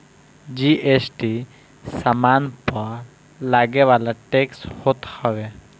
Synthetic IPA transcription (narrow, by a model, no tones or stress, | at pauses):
d͡ʒiʔesʈi | samanpɔɾ | laɡewalaʈekshot̪hɔbe